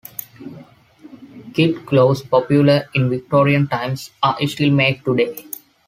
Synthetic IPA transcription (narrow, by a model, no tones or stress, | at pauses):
kɪʈkloːspɔpjuləɾɪ̃nʋɪk̚ʈoːɾiə̃nʈãɪ̃msaːʔɪsʈilmeːɖ̚ʈuɖeː